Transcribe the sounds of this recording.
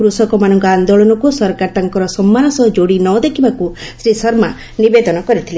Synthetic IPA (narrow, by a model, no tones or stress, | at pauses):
kɾusɔkɔmanɔŋkɔand̪oɭɔnɔkusɔɾkaɾt̪aŋkɔɾɔsɔmːanɔsɔɦd͡ʒoɽinɔd̪ekʰibakusɾisɔɾma | nibed̪ɔnɔkɔɾit̪ʰile